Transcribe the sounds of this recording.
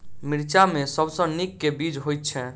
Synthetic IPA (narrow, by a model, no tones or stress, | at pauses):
miɾt͡ʃamesəbsə̃nikːebid͡ʒɦojt̪ːt͡ʃʰɛ̃